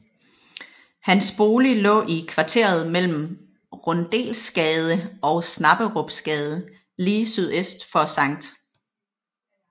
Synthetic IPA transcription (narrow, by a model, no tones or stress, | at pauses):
hænsb̥o̝ːlilɔ̰̽ːʔikʰʋɑ̈t͡sʰe̝̰ɐð̞̩ˠmel̰m̩ | ʁɔnd̥e̝̰ːlsɡ̥ɛːð̞ˠəɒ̽ʊsnɑ̈b̥əʁɔb̥sɡ̥ɛːð̞ˠə | liːsyð̞ˠesd̥fɒ̽sɑ̈ŋ̰d̥